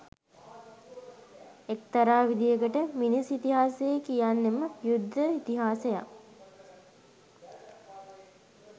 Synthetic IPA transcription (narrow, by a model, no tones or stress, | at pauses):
ekt̪əɾaːʋid̪ijəkəʈəminisit̪iɦaːsejekijanːeməjud̪ʱːəit̪iɦaːseja̰